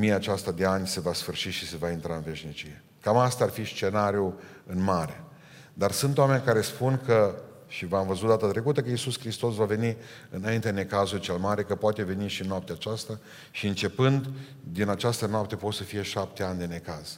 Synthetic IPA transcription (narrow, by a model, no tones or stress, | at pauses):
mijaːt͡ʃast̪ad̪e̞anʲse̞vasfɨrʃiʃise̞vaint̪ɾaɨnve̞ʃnit͡ʃije̞ | kamast̪aːrfist͡ʃe̞naɾju | ɨnmaɾe | d̪arsɨnt̪owame̞nʲkaɾe̞spunkə | ʃivamvəzut̪̚d̪at̪at̪ɾe̞kut̪əkəisuskɾist̪o̞svave̞ni | ɨnaint̪ed̪enekazult͡ʃe̞lmaɾe̞kəpoat̪e̞ve̞niʃiɨnoap̚t̪eat͡ʃast̪a | ʃiɨnt͡ʃe̞pɨnd̪ | d̪inat͡ʃast̪ənoap̚t̪e̞po̞t̪səfije̞ʃap̚t̪e̞anʲd̪e̞ne̞kaz̥